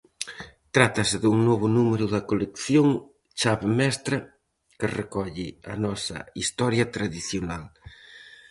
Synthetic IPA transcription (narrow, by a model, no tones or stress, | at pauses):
t̪ɾat̪ɐsɪðuŋnoβʊnumeɾʊðɐkolekθjoŋ | t͡ʃaβmɛst̪ɾɐ | kɪrekɔʎɪɐ̰nɔsɐ̰ist̪ɔɾjɐt̪ɾaðiθjonal